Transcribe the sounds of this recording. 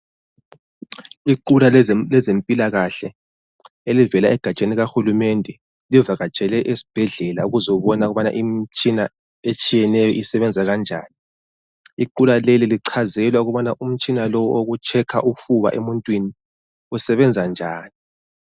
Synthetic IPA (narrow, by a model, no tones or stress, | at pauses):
iǃulalɛzempʼilaɣaɬɛ | elivɛlaɛɡ̥ʱat͡ʃʼeniɣaxulumɛndʱɛ | livaɣat͡ʃʼɛlɛʔesi̥b̥ʱɛɮɛlauɣuzɔuβɔnauɣuβana̰ʔimt͡ʃʼina | et͡ʃʼijɛnɛjɔʔisɛβɛnd͡zʱaɣand͡ʒʱa̰ːni | iǃulaleliliǀʰazɛlwauɣuβanaʔum̩t͡ʃʼinalɔwʔoɣut͡ʃʰɛkʰa̰ʔufuβa̰ʔemuntʼwini | usɛβɛnd͡zʱand͡ʒʱaːni